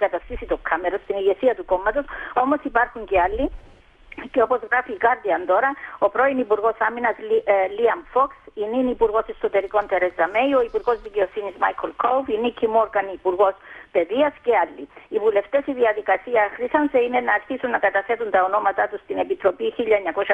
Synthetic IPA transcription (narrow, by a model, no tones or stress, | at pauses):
kɐt̪ɐst̪isit̪okʰːɐmeɾost̪iniɣe̞siɐt̪uko̞mːɐt̪o̞so̞mo̞sipɐɾxuɲcealːi | ceo̞po̞zɣɾɐfiːkɐɾd̪iɐnd̪o̞ɾɐo̞pɾo̞inipuɾɣo̞sɐminɐsliɐmfoksininipuɾɣo̞seso̞t̪e̞ɾiko̞nt̪e̞ɾe̞zɐme̞jo̞ipuɾɣo̞zðice̞o̞sinizmajkʰolkʰowvinicʰimo̞ɾɡɐnipuɾɣo̞spe̞ðiɐscealːiivule̞ft̪e̞siðiɐðikɐsiɐxɾisɐnse̞ine̞nɐːɾçisunːɐkɐt̪ɐθe̞t̪unt̪ɐono̞mɐt̪at̪ust̪ine̞pit̪ɾo̞piçiʎːɐɲːɐko̞ʃɐ